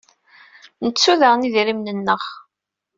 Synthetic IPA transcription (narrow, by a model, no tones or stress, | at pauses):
nət͡sːuðəʁniðɾimnənːəʁ